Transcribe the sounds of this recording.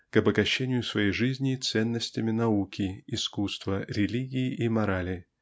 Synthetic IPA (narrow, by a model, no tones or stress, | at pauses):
kɐbəɡɐɕːenʲɪjʊsvɐjejʐɨzʲnʲɪt̪sɛnːəsʲtʲɪmʲɪnɐukʲɪːskust̪vəɾʲɪlʲiɡʲɪːʔimɐɾalʲɪ